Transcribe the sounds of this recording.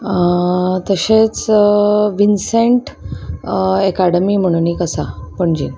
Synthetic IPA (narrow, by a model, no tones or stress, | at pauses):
t̪əɕet͡s | ʋinseɳʈ | ekaɽəmiːm̤əɽ̃unikəsapəɳd͡ʑḭ